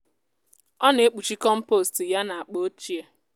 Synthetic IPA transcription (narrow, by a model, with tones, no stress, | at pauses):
ɔ˦ne˨˦k͡pu˨t͡ʃi˦kɔ˦m̩˦po˦˨sti˨ja˦na˨a˨k͡po˦o˦t͡ʃi˦e˦